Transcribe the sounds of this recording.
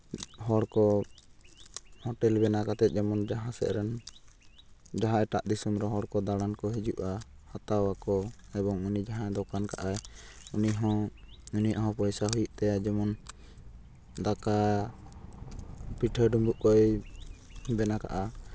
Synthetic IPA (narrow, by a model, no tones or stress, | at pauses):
ɦɔɽkɔ | hɔʈɛlbɛnakat̪ɛt̪̚ˀd͡ʒɛmɔnd͡ʒaɦãsɛ̰ʔɾɛn | d͡ʒaɦãʔɛʈaʔd̪isumɾɛɦɔɽkɔd̪aɽankɔɦid͡ʒuʔahat̪awakɔɛbɔŋunid͡ʒaɦãɛd̪ɔkanka̰ʔaj | uniɦɔ̃ | uniʔɦɔ̃pɔjsaɦujuʔt̪ajad͡ʒɛmɔn | d̪aka | piʈʰəɖumbuʔkɔj | bɛnaka̰ʔa